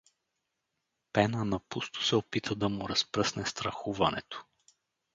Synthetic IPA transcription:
pɛnənɐpust̪ʊ̥sɛopit̪ʰəd̪ɐmʊɾɐspɾɤsnɛst̪ɾɐxuvɐnɛ̰t̪o̥

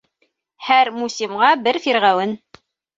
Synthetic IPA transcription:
hæɾmusʲimʁɑbɘɾfiɾʁæwɘn

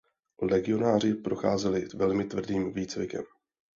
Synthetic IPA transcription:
lɛɡɪo̞naːr̝ɪpɾo̞xaːzɛlɪvɛlmɪt̪vr̩diːmviːt͡svɪkɛ̰m

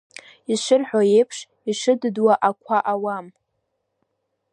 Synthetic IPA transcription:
izʃʷɪrħʷᶣaje̞jpʰʂ | iʂɨddwaʔakʷʰaʔawam

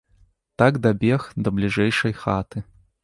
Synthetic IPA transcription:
t̪aɡd̪abʲɛxd̪ɐblʲiʐɛjʂɐjxat̪ɨ

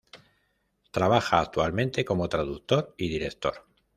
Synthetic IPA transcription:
t̪ɾaβaxaːkt̪ualmẽnt̪e̞ko̞mo̞t̪ɾaðuk̚t̪o̞ɾiðiɾe̞k̚t̪o̞̰ɾ

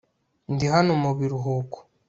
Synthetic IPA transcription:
ndiɦanomuβiɾuɦoko̥

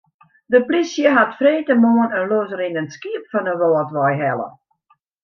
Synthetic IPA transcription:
dəprisjəɦatfreːtəmoːənənlozəɾinənskiəpfɔnəʋɔːətʋɔjɦɛlˠə̰

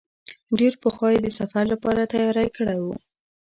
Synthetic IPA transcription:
ɖeɾpəxwɑjed̪əsafaɾlapɑɾat̪ajɑɾajkəɽajwu

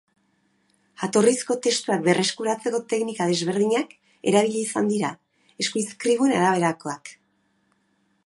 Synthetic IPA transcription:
at̪o̞risko̞t̪e̞st̪uak̚be̞re̞skuɾat͡se̞ko̞t̪e̞knikað̞e̞zβ̞e̞ɾðiɲak | e̞ɾaβ̞iʎiːsand̪iɾa | e̞skujskɾiβuenaɾaβ̞e̞ɾako̞ak

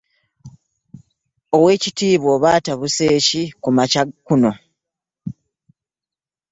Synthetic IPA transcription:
o̞we̞ːcitiːβwo̞ːβaːtaβuse̞ːcikumacakuno̞

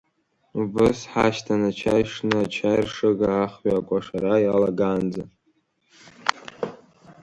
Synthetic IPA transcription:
ubɨsħaʃtʰanat͡ʃʰajʂnɨat͡ʃʰajrʂɨɡaːχɥakʷʼaʂaɾajalaɡand͡za

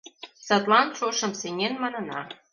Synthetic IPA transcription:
sɑt̪lɑnʃoʃə̆mseŋʲenmɑnɤ̆nɑ

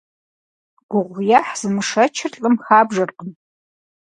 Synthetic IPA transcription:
ɡ̥ʷʊʁʷjaːħz̥ɨmɨʂɐt͡ʃʰɪrɬʼɨmxaːbʐɐrqən

